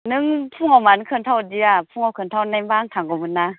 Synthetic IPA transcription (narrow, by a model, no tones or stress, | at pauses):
nɯŋpʰuŋawmankʰɯntʰawdiapʰuŋawkʰɯntʰawnajmbaŋtʰaŋɡɔmɯna